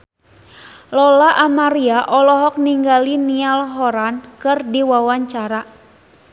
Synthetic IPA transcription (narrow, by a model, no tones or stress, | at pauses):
lɔlaʔamaɾiaʔɔlɔɦɔk̚niŋɡalinialɦɔɾankɨrdiwawaɲt͡ʃaɾa